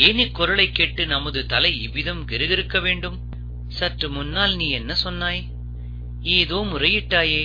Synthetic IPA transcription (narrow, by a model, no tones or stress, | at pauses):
eːnɪkːɔɾɐɭɐɪkːeːʈːɯnɐmɐðɯt̪ɐlɐɪɪʋɪðɐmɡɪɾɯɣɪɾɯkːɐʋeːɳɖɯm | sɐʈrɯmʊnːaːlniːɛnːɐsɔnːaːj | eːðoːmʊrɐjɪʈːaːjeː